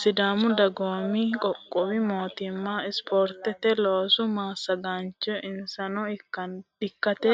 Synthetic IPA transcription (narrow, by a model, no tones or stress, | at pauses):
sɪd̪aːmʊd̪ɐɡoːmikʼɔkʼːɔwɪmoːt̪ɪmːaɪspʰɔɾt̪ɛt̪ɛloːsʊmaːsːɐɡaːnt͡ʃɔʔɪnsɐnɔɪkːɐnɪkːɐt̪ɛ